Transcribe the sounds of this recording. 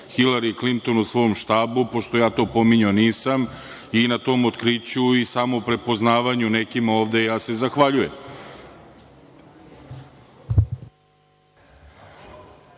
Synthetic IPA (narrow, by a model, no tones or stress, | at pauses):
xilaɾiklint̪o̞nusʋo̞omʃt̪aːbupo̞ʃt̪o̞jaːt̪o̞ːpo̞miɲoniːsam | inat̪o̞ːmot̪kɾit͡ɕuisamo̞pɾe̞po̞znaːʋaɲune̞kimao̞ːʋd̪e̞jaːse̞zaxʋaʎujem